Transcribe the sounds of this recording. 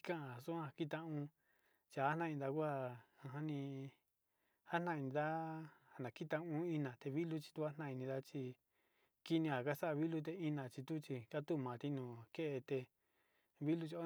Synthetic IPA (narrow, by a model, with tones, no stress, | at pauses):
kã˦ʔã˨su˦ã˧ki˦t̪ã˧ũ˧ | t͡ʃi˧˨a˦nã˦˧d̪a˧kʷa˦ã˧ɦã˦nĩ˧ | ha˦nã˧˨i˧nĩ˧d̪a˦ha˨nã˨ki˦t̪ã˧ũ˧˦i˧nã˨t̪e˧βi˦lu˦t͡ʃi̥˧t̪u˦a˦nã˧˨i˧nĩ˧ða˦t͡ʃi˧ | ki˦nĩ˧a˨ka˦sa˦ʔa˧βi˦lu˧t̪̬e˧i˦nã˨t͡ʃi˧t̪u˦t͡ʃi˧ka˦t̪u˦˨mã˨t̪i˧˦nũ˨ke˦ʔe˧t̪e˧ | βi˦lu˧t͡ʃo˦